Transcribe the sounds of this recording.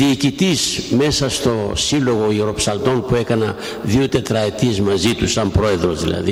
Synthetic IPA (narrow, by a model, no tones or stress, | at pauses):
ðiːcit̪isme̞sɐst̪o̞silo̞ɣo̞iuɾo̞psɐld̪o̞npue̞kɐnɐ | ðiot̪e̞t̪ɾɐe̞t̪ie̞zmɐzit̪usɐmpɾo̞e̞ðɾo̞zðḭlɐ̰ði